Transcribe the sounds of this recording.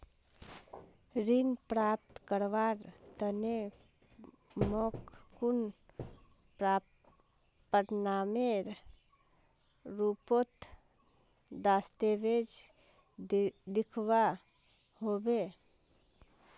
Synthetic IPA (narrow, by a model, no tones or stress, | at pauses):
ɾinpɾaːp̚t̪kəɾʋaːɾt̪əne | mokkun | p | pəɾnameɾ | ɾuːpot̪ | d̪aːst̪eʋed͡ʒ | d̪ɪkʰʋa | hoːbe